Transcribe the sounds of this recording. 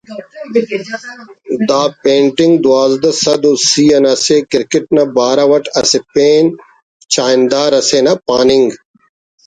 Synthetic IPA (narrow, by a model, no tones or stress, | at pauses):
d̪aːpẽːɳʈiŋɡd̪uaːzd̪ɐsɐd̪usiːɐnɐsekiɾkiʈ̚nɐbaːɾɐʋɐʈɐsepeːn | t͡ɕaːind̪aːɾɐsenɐpaːniŋɡ